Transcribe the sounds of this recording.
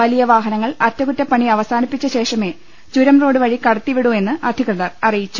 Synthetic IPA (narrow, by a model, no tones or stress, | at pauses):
ɐlijɐʋaːɦɐnɐŋːɐɭɐtːɐkutːɐpːɐɳiɐʋɐsaːnipːit͡ɕːɐɕe̞ːʂɐme̞ː | t͡ɕuɾɐmro̞ːɽɨʋɐɻikɐɽɐt̪ːiʋiɽue̞nːɨʔɐd̪ʱikrɐðɐrɐrijit͡ɕːu